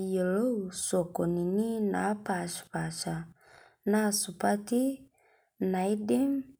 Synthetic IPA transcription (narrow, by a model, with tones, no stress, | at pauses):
je˨lo˦˨sɔ˨kɔ˨ni˨ni˦na˨˦pa˨ʃpa˨ʃa˨ | na˦˨su˨pa˦ti˦ | na˨i˦di˦m